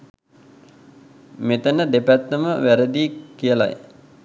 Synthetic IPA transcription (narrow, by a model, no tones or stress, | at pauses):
met̪ənəd̪epæt̪ːəməʋæɾəd̪iːkijəla̰j